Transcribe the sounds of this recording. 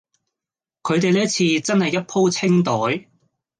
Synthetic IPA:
kʰɵ˨˧ɥt̪e˨jlɛː˥t͡sʰiː˧t͡sɐ˥nhɐ˨jːɐ˥t̚pʰo˥wt͡sʰɪ˥ŋt̪ɔː˨˥j

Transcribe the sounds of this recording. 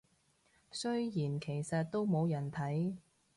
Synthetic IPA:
sɵ˥ɥjiː˨˩nkʰe˨˩jsɐ˨t̚t̪o˥wmo˨˧wjɐ˨˩nt̪ʰɐ˨˥j

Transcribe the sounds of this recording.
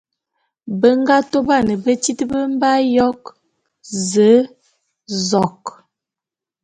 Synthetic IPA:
bə˦ŋɡa˦to˦ba˦˨nə˨bə˦ti˦tə˦bə˦m˦ba˦jɔ˦k | zə˨˦ | zɔ˨k

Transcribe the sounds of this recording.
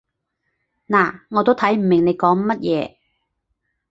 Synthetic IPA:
naː˨˩ŋɔː˨˧t̪̬o˥wt̪ʰɐ˨˥jm̩˨˩mɪ˨˩ŋne˨˧jkɔː˨˥ŋmɐ˥t̚jɛː˨˧

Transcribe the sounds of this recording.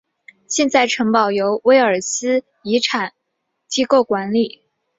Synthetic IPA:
ɕjɛ˥˧nt͡sa˥˩ɪʈ͡ʂʰɤ˧˥ŋpɑ˨˩ʊjo˧˥ʊwe˥ɪə˞˨˩sɹ̩˥ | i˧˥ʈ͡ʂʰa˨˩˦n | t͡ɕi˥ko˥˩ʊkwa˧˥nli˨˩˦

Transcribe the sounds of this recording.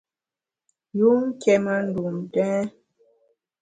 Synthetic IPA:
ju˦ŋ̩˦kɛ˨ma˦n̩˦du˨m˨tɛ̃˦

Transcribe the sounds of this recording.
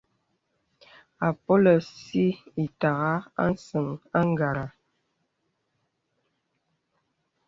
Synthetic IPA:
a˨po˦lə˨si˦i˨ta˨ɣa˦a̰˦n̩˦sə˨ŋa˦ŋ˦ɡa˨ɾa˨

